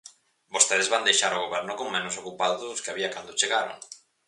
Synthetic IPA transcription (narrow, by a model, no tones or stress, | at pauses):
bost̪eðezβand̪ejʃaɾoɣ̞oβɛɾnʊkoŋmenʊsokupaðoðʊskeaβiakand̪ot͡ʃeɣaɾo̰ŋ